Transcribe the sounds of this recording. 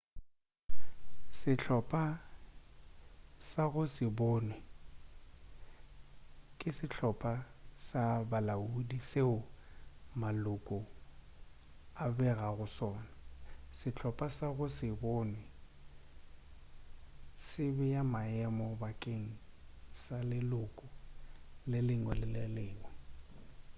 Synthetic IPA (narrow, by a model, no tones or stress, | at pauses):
sɪt͡ɬʰɔpʼa | saɣʊsɪbɔːnwɛ | kʼɪsɪt͡ɬʰɔpʼasabalaudiseʊ | malʊkʼʊ | abɛɣaɣʊsɔːnasɪt͡ɬʰɔpʼasaɣʊsɪbɔːnwɛ | sɪbɛjamaɛmɔbakʼeŋ̩salɪlʊkʼʊ | lɪlɪŋwɛlɪlɪlɪːŋwɔ